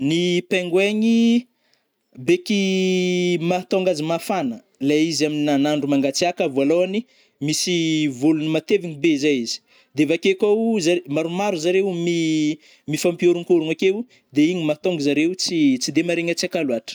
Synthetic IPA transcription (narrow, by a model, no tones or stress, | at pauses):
nipeŋɡweɲi | beki | mat̪oŋɡazimafanə | laizaminianaɳɖ͡ʐumaŋɡat͡siakavualoani | misivolunimat̪eviɲibeizajizi̥ | d̪evakekawzaɾmaɾumaɾuzaɾewmi | mifampioɾuŋkoɾuŋakew | d̪eiɲimat̪ɔŋɡizaɾewut͡sit͡sid̪emaɾeŋat͡siakaluaʈ͡ʂə̥